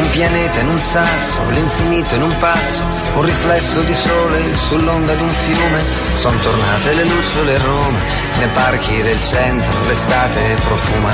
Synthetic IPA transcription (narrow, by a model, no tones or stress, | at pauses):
umpjanɛːt̪anunsasːʊ̰liɱfiniːt̪ʊnumpasːʊ̥ | unriflɛsːʊd̪isɔːle | sulːɔnd̪ad̪uɱfjuːme | sɔnt̪ʊrnaːt̪ɪlɪlusʊlɪroɔːme | neparkid̪ɪlt͡ʃɛnt̪ɾʊ̰lɪst̪aːt̪ɪ | pɾɔfuːma